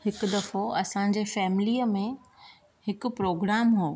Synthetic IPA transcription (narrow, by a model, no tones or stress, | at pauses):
hɪkʊd̪ɐfoɐsãɲ̆d͡ʑeːfɛːmɪliːəmẽ | hɪkʊ̆pɾoːɡɾaːmɦoː